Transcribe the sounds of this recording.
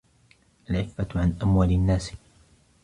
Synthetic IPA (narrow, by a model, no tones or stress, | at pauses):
ʔalʕɪkbaʕanʔamwaːlɪanːaːs